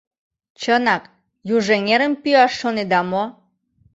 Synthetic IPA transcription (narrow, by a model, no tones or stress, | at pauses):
t͡ɕənɑk | juʒeŋeɾəmpyɑʃːoned̪ɑmo